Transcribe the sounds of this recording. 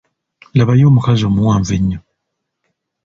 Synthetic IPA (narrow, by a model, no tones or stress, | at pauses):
laβajoːmukazomuwaːɱviɲːɔ